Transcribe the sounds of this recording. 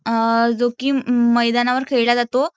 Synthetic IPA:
d͡zokiːməjd̪anaʋəɾkʰeɭlad͡zat̪o

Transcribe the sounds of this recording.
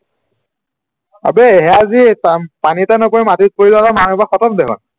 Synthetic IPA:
a̰bɛɦɛazitapanitanɔpɔɹimatit̚poɹilatamanbaxɔtɔtdɛɦɔ̰n

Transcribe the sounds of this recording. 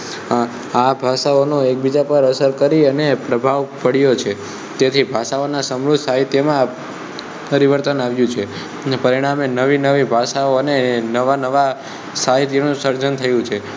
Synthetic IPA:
abʱaʃaonoek̚bid͡ʒapəɾəsəɾkəɾiənepɾəbʱaʋpəɽijot͡ʃʰe | t̪et̪ʰibʱaʃaonasəmɾʊd̪ʱsaɦit̪jəmã | pəɾiʋəɾt̪ənaʋjũt͡ʃʰe | pəɾiɽ̃amenəʋinəʋibʱaʃaoənenəʋanəʋa | saɦit̪jənũsəɾd͡ʒənt̪ʰəjũt͡ʃʰe

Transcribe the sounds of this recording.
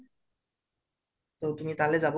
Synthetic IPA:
t̪ẽt̪umit̪aled͡ʑabo

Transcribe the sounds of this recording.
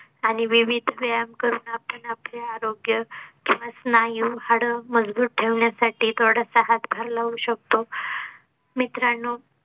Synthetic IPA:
aɽ̃iʋiʋid̪ʱʋəjamkəɾuːnapəɳapleaɾoɡjəkiʋasnajuhaɽəməd͡zbuːt̪̚ʈʰeʋɳjasaʈiːt̪ʰoɽ̤əsaɦat̪bʱaɾlauɕək̚t̪o | mit̪ɾanːo

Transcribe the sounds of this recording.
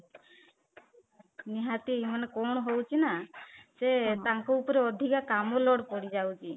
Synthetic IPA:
niɦat̪imanekɔɳ̃ɔɦowt͡ʃʰinaset̪aŋkɔupɔɾeɔd̪ʱikakamɔlɔɽpɔɽid͡ʒawt͡ʃʰi

